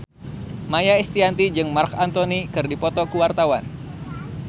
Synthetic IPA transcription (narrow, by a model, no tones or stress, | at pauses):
majaist̪iant̪id͡ʒɨŋmarkant̪ɔnikɨrdipɔt̪ɔkuwart̪awan